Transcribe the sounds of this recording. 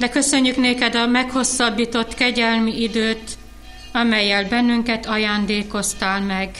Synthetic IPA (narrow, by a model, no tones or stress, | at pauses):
d̪ɛkø̞sø̞ɲːykneːkɛd̪ɒmɛkho̞sːɒbːiːt̪o̞t̪kɛɟɛlmiʔid̪øːt̪ | ɒmɛjːɛlbɛnːyŋkɛt̪ɒjaːnd̪eːko̞st̪aːlmɛɡ